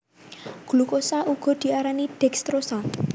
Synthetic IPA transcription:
ɡ̥ulukosaʔuɡ̥ɔ̤d̪̥i̤aɾanid̪̥ɛkst̪ɾosa

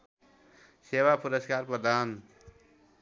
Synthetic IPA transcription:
sewapʰuɾəskaɾpəd̪ʱan

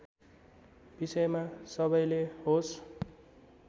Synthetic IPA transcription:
b̥isʌjmasʌbʌjleɦos

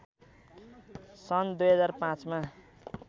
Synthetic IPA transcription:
sʌnd̪ujɦʌd͡zarpãt͡sma

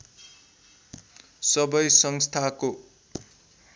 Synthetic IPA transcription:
sʌbʌjsʌŋst̪ʰako

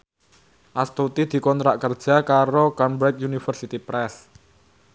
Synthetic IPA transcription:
ʔast̪ut̪id̪̥i̤kɔnt̪ɾaʔkərd̥ʒ̥a̤kaɾokambɾɛk̚junifərsit̪ipɾɛs

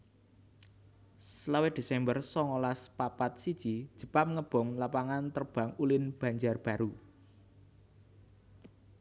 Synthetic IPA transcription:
səlawed̪̥e̤sɛmbərsɔŋolaspapat̪̚sid̥ʒ̥i̥ʒ̥ə̤pamŋəb̥ɔ̤ŋlapaŋant̪ərb̥ä̤ŋulɪnb̥ä̤ɲd͡ʒarb̥ä̤ɾu

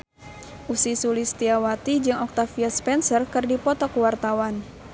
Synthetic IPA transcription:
ʔusisulist̪iawat̪id͡ʒɨŋɔk̚t̪afiaspɛnsərkɨrdipɔt̪ɔkwart̪awan

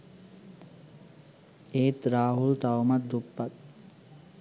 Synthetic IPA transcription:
eːt̪ɾaːɦult̪awmat̪̚d̪upːat̪̚

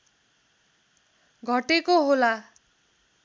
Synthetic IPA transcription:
ɡʱʌʈekoɦola

